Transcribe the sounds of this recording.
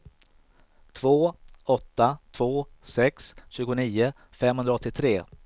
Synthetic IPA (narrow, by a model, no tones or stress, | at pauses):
t̪ʰv̥oːɔt̪ːat̪ʰvoːsɛksɕʉ̟ːɡʊniːʊ | fɛmhɵnd̪ɾaɔt̪ːɪt̪ʰɾeː